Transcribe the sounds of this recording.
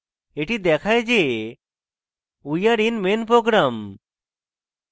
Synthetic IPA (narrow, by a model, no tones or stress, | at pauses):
eʈid̪ɛkʰajd͡ʒe | ujaɾinmenpɾoɡɾam